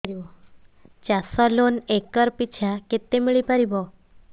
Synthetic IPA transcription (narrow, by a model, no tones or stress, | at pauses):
ɾibɔ | t͡ɕasɔlonekəɾpit͡ɕʰaket̪ːemiɭipaɾibɔ